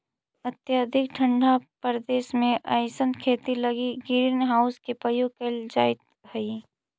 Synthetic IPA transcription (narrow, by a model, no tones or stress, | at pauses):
ət̪jad̪ʱɪkʈʰə̃ɳɖʱapəɾd̪eːʃmẽʔa̰ːɪsənkʰeːt̪iləɡiɡiɾinɦaːʊskepəjoːɡkeld͡ʒaːɪt̪ | həi